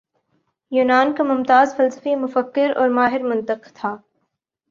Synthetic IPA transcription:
juːnaːnkamʊmt̪aːzfɐlsə̥fimʊfəkːɪɾɔ̰ːɾmaːɦɪɾmʊ̃nt̪əqt̪ʰaː

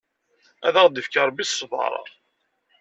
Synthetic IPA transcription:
æðæʁd̪ifkɑɾˤbisˤːvɑ̰ɾˤɑ̰

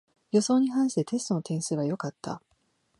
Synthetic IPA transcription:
jo̞so̞ːɲ̟iɦãɰ̃ɕi̥t̪e̞t̪e̞st̪o̞no̞t̪ẽ̞ɰ̃sɨβajo̞kat̪ːa̰

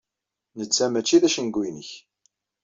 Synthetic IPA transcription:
nət͡sːæmæt͡ʃːiðæʃənɡʷːinəç

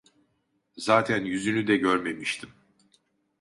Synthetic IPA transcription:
zaːt̪ʰænjyzynyd̪ɛɟøɾme̞miʃt̪ʰim

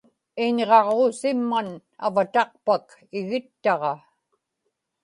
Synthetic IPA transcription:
ɪɲʁɑʁoːsɪmːan | a̰vat̪ɑqpak | ɪɣɪt̪ːɑʁɑ

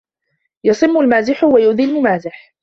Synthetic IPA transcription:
jɑsˤɨmːʊlmaːzɪħwajʊʔðiːlmʊmaːzɪħ

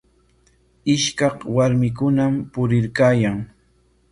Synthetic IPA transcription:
ɪʃkɑqwaɾmɪk̬ʊnampʊɾɪɾkaːjaŋ

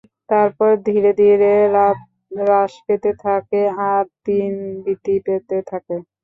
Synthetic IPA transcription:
t̪aɾpɔɾd̪ʱiɾed̪ʱiɾeɾat̪ | ɾaʃpet̪et̪ʰakeaɾt̪inbit̪ipet̪et̪ʰake

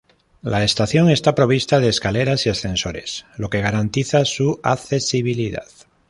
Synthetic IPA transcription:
laest̪aθjo̞ŋe̞st̪apɾo̞β̞ist̪að̞eːskaleɾasiasθe̞nso̞ɾe̞slo̞ke̞ɣ̞aɾant̪iθasuaθesiβiliða̰ð

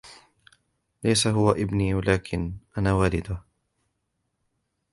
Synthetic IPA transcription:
lajsaɦʊwaʔɪbniːwalaːkʰɪnʔanaːwaːlɪd̪ʊh

